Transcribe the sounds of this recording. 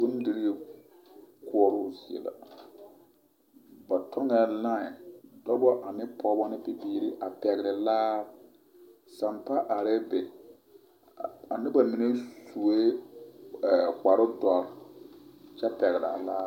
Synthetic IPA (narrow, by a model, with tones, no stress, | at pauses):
bʊ˦n˦di˦ɾ | ku˦ɔ˦ɾʊ˦zi˨ɛ̰˨la̰˨ | ba˨tʰɔ˦ŋɛ˨˦lã˦ɪ˨dɔ˦bɔ˦ʔa˨mɪ˦pʰɔ˦bɔ˦nɪ˦pi˨biː˦ɾi˦ʔa˨pɛ˨ɣɾɪ˨laː˦ | sa˨mpa˦ʔa˨ɾɛ˦be˨ | a̰˨nɪ˦ba˨mi˨ne˦su˨e˦˨ | ka˨ɾʊ˦dɔ˨ɾ | t͡ʃɛ˦pɛ˨ɣɾa̰˨laː˦